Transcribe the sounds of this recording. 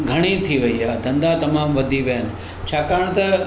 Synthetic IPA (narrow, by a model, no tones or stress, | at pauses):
ɡʱɐɽ̃it̪ʰiʋɐiad̪ɐ̃nd̪at̪ɐmaːmʋɐd̪ʱiʋɐɦənɪ̆ | t͡ɕʰaːkaːəɽ̃t̪ɐ